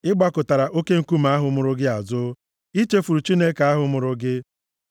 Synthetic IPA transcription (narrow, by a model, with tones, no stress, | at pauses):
ɪ˦ɡ͡ba˦kʊ˨ta˨ɾa˨ʔo˦ke˦ŋ̩˨ku˦m̩˨a˦ɦʊ˨˦mʊ˨ɾʊ˦ɡɪ˦a˨zʊ˦ | i˦t͡ʃe˦fu˨ɾu˨t͡ʃi˦ne˦ka˨a˦ɦʊ˨mʊ˨ɾʊ˦ɡɪ˦